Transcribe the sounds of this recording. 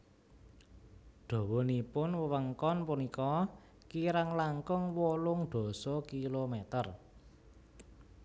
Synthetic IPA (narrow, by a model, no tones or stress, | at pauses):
ɖ̪̥o̤wɔnipʊnwəwəŋkɔnpunikɔ | kiɾaŋlaŋkʊŋwolʊŋɖ̪̥ɔ̤sɔkilomet̪ər